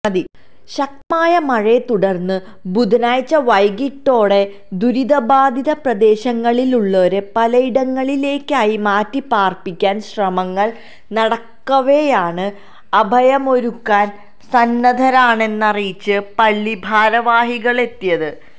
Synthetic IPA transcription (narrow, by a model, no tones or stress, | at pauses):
ɐd̪i | ɕɐk̚maːjɐmɐɻet̪uɽɐrnːɨ | bud̪ʱnaːjt͡ɕːɐʋɐjɡiʈːo̞ːɽe̞ | d̪uɾid̪ɐbaːd̪ʱiðɐprɐd̪e̞ːɕɐŋːɐɭiluɭːoːɾepɐlɐiɽɐŋːɐɭile̞ːkːaːjimaːtːipaːrpikʲːaːnɕrɐmɐŋːɐɭ | nɐɽɐkːɐʋejaːɳɨ | ɐbʱɐjɐmo̞ɾukːaːn | sɐnːɐd̪ʱɐɾaːɳe̞nːɐrijt͡ɕːɨpɐɭːibʱaːɾɐʋaːɦiɣɐɭe̞t̪ːijɐðɨ